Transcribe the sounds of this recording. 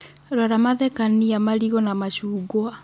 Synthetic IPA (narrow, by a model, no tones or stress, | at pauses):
ɾaɾamaðɛkaniamaɾiɣɔnamaɕuːɡwa